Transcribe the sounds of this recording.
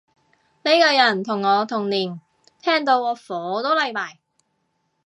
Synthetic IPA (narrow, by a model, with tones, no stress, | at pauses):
ne˨˧jkɔː˧jɐ˨˩nt̪ʰʊ˨˩ŋːɔː˨˧t̪ʰʊ˨˩ŋniː˨˩n | t̪ʰɛː˥ŋt̪o˧wɔː˨˧fɔː˨˧˦t̪o˥wlɐ˨˧jmaː˨˩j